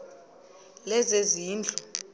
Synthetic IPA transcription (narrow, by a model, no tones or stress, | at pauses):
lɛzeziːnd͡ɮʱu